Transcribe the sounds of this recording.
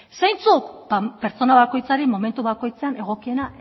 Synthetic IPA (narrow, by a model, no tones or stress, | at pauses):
sajnt͡sukbape̞ɾt͡so̞naβako̞jt͡saɾimo̞me̞nt̪uβako̞jt͡se̞ane̞ɣ̞o̞kie̞na